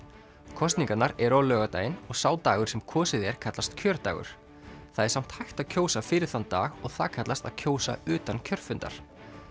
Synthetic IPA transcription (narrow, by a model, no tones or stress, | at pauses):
kʰɔst̪niŋkanaɾɛɾawlœːɣat̪aːjɪnɔɣsaːwt̪aːɣʏɾ̥sɛmkʰɔːsɪðɛɾ̥kʰat̪last̪cʰœːɾt̪a̰ːɣʏ̰ɾ̥ | θaðɛɾsam̥t̪hajxt̪aðcʰoːwsafɪɾɪɾ̥θant̪a̰ːɣɔɣθaðkʰat̪last̪aðcʰoːwsa̰ʏːt̪ancʰœɾ̥fʏnt̪a̰ɾ̥